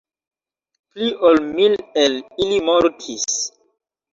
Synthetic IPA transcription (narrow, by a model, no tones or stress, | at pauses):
pliʔolmilelilimoɾtʰis